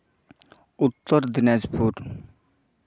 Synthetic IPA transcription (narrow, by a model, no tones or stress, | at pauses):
ut̪ːɔɾd̪ined͡ʑpʰuɾ